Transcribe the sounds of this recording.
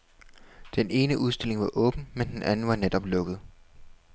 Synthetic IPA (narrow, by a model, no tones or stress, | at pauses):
d̥enʔe̝ːnəʔuð̞ˠsd̥e̝le̝ŋʋɑ̈ʔɔ̽ːb̥n̩mend̥enʔænn̩ʋɑ̈ned̥ɒ̽b̥lɔ̽ɡ̥əð̩ˠ